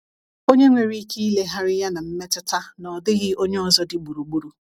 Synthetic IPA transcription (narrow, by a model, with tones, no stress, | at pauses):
o˦ɲe˦ŋʷe˨ɾi˦ki˦le˦ɦa˦ɾɪ˦ja˦na˨m̩˦me˦tɪ˦ta˦nɔ˨dɪ˦ɣɪ˦o˦ɲe˦ɔ˨zɔ˦dɪ˨ɡ͡bu˨ɾu˨ɡ͡bu˦ɾu˨